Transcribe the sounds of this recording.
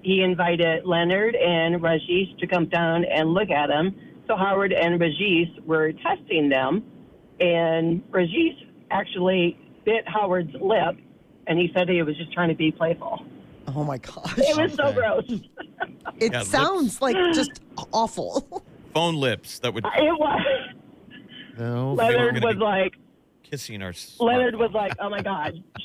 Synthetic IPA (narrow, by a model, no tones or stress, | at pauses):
hiɨ̃ɱvaɪɾɪdlɛnə˞ɾɨ̃nɹɛʒistʰɨkʌ̃mdãʊ̃nɨ̃nlʊk̬ɨt̚ɨ̃msoʊɦaʊə˞ɾɨ̃nɹɨʒiswə˞tʰɛstɪ̃ŋðɨ̃m | ɨ̃nɹɨʒis | ʔæk̚t͡ʃul̩ˠi | b̥ɪt̚haʊə˞dzlɪp̚ | ɨ̃nisɛd̚iɨt̚wʌzd͡ʒʌstʰɹ̥aɪɪ̃ŋtʰɨbipʰl̥eɪfl̩ˠoʊmaɪɡɑʃɪt̚wʌz̥soʊɡɹoʊs | ɨsãʊ̃ndzlaɪk̚d̥ʒ̥ʌstɔfl̩ˠfõʊ̃nlɪpsðɨt̚wɨɪt̚wʌ | lɛnə˞d̚wʌzlaɪk | kʰɪsɪ̃ŋnə̰˞slɛnə˞d̚wʌzlaɪkoʊ̃maɪɡɑʃ